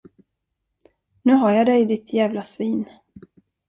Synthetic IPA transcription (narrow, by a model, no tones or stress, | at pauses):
nʉ̟ːɦaɾjad̪ɛjd̪ɪt̪ʰjæːvlasviːn